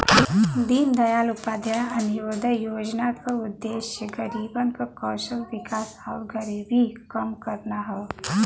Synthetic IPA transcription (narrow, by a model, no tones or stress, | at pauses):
d̪iːnd̪ɐjaːlʊpaːd̪ʱjəɐnɪjoːd̪əjoːd͡ʒnakaʊd̪ːeːʃjəɡəɾiːbənkakɔːʃəlʋɪkaːsaːɾɡəɾiːbʱikəmkəɾnaɦɛ